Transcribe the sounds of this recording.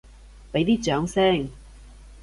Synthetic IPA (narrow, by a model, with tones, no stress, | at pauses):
pe˨˥jt̪iː˥t͡ʃœː˨˥ŋsɛː˥˩ŋ